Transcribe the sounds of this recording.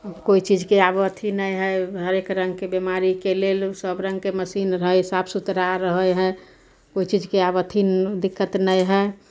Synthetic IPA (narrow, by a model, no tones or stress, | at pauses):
koit͡ʃid͡ʒkeabət̪ʰinəjɦɛɦəɾekɾə̃ŋɡkebemaɾikelelsəbɾə̃ŋɡkeməsinɾəɦəisabsut̪ɾaɾəɦəjɦɛ̃ | koit͡ʃid͡ʒkeabət̪ʰid̪ɪkʰːət̪nəjɦɛ